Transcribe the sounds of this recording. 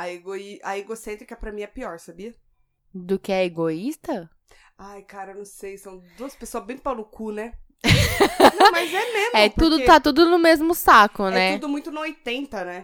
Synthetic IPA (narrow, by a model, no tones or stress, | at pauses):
aeɡoiaeɡosẽnt̪ɾɪkɛpɾɐmĩɛpiɔɾsabiɐ | d̪ʊkɪɛeɡoist̪ɐ | ajkaɾɐenɐ̃w̃sejsɐ̃w̃d̪uɐspesoɐzbẽj̃t̪pawnʊkunɛ | nɐ̃mɐzɛmezɛt̪ud̪ʊt̪at̪ud̪ʊnʊmezmʊsakʊnɛɛud̪ʊmũj̃t̪ʊnɐojt̪ẽnt̪ɐnɛ